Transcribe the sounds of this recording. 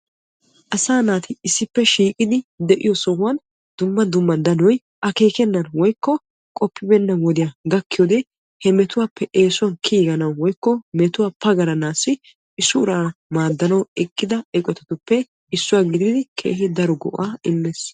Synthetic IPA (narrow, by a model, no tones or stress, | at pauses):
ʔɐsaːnaːt̪ɪɪsːɪpːɛʃiːkʼɪd̪ɪd̪ɛʔɪjɔsɔwɐn | d̪ʊmːɐd̪ʊmːɐnd̪ɐnɔj | ʔɐke̞ːkɛnːɐnwɔjkːɔ | kʼɔpːɪbɛnːɐwɔd̪ɪjɐɡɐkːɪjoːd̪ɛ | hɛmɛt̪ʊwaːpːɛʔe̞ːsʊwɐnkʰiːɡɐnɐwwɔjkːɔmɛt̪ʊwaːpɐɡɐɾɐnaːsːɪ | ɪsːʊʊɾamaːd̪ːɐnɐwɛkʼːɪd̪ɐɛkʼɔt̪ɛt̪ʊpːɛ | ɪsːʊwaːɡɪd̪ɪd̪ɪkʰḛːhɪd̪ɐɾɔɡɔ̰ʔaːɪmːeːs